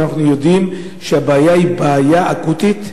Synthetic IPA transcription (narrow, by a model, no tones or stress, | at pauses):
naχnujo̞dim | ʃeabaːjaibaːjaʔakut̪it̪